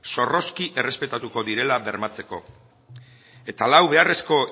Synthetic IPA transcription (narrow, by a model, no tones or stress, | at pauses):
so̞ro̞skiʔe̞re̞spe̞t̪at̪uko̞ðiɾe̞laβe̞ɾmat͡se̞ko̞̰ | e̞t̪alawβe̞are̞sko̞